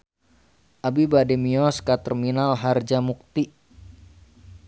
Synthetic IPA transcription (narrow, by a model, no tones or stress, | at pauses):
ʔabibadɛmiɔskat̪ərminalɦard͡ʒamuk̚t̪i